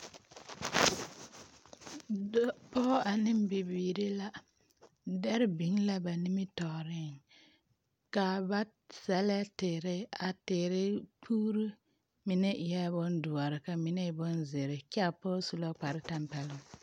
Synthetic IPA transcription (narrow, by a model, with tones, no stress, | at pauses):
dɔ˦pɔ˦a˨nɪ˦mbi˨biː˨ɾi˦la˦ | dɛ˦ɾɪ˦bi˨˦ŋla˦ba˨ni˦mɪ˦tɔ˨ɾɪ˦˨ŋ | ka˨ba˦ | sɛ˨lɛ˦tɪ˨ɾɪ˦a˨tɪ˨ɾɪ˦pʰuː˦ɾu˦ | mɪ˨nɛ˦ʔjɛ˦bʊ˦ndʊ˨a˨ɾɪ˨ka˨mɪ˨nɛ˦˨bʊ˦nzɪ˨ɾɪ˨kɛ˦a˨pɔː˦su˨la˦k͡pa˨ɾɪ˦ta˦mpɛ˨lʊ˨ŋ